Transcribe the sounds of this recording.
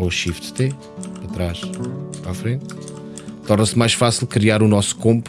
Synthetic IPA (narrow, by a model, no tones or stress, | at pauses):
ouʃift̪t̪e | pɐt̪ɾaʃpɾafɾẽnt̪ | t̪ɔɾnɐsmajʃfasilˠkɾiaɾunɔsu̥kõmpɾ